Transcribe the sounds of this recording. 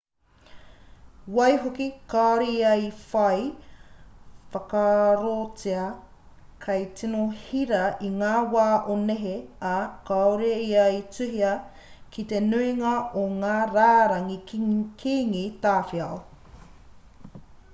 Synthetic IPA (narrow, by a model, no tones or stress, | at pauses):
wɐjɦokikaoɾejɐjfɐj | fɐkɐɾot͡siɐ | kʰɐjt͡sinohiɾɐiŋaːwaːʔoneɦeɐkaoɾeiɐjt͡sʉɦiɐ | kit̪enuiŋɐoŋaːɾaːɾɐŋikʰiːŋit̪aːfiɐo